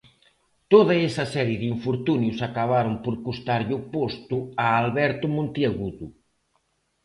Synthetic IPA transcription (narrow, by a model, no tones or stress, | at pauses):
t̪oðɐɛsɐsɛɾjeðiɱfoɾt̪unjusakaβaɾʊmpoɾkust̪aɾʎopost̪ʊaːlβɛɾt̪ʊmõnt̪iaɣuðu